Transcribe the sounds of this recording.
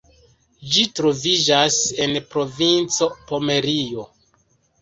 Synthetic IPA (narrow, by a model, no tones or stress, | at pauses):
d͡ʒitɾo̞vid͡ʒase̞npɾo̞vint͡so̞po̞me̞ɾio̞